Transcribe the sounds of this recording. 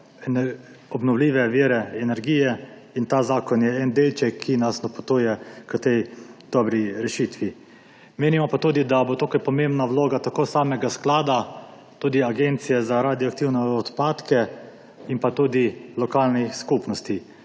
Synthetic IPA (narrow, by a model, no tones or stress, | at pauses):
ɛn | ɔbnɔwliːʋɛʋiːɾɛɛnɛɾɡiːjɛ | int̪aːzaːkɔnjɛɛnd̪ɛjt͡ʃɛkʰːinasnɔpɔ̥t̪uːjɛkət̪ɛjd̪̥ɔbɾiɾɛʃit̪ʋi | meːnimɔpat̪uːd̪id̪abot̪oːkajpɔmembnawloːɡat̪akoːsaːmɛɡasklaːd̪a | t̪uːd̪iaɡeːnt̪sijɛzaɾaːd̪ijɔak̚t̪iwnɛɔt̪paːt̪kɛ | inpat̪uːd̪ilɔkaːlniskupnɔst̪i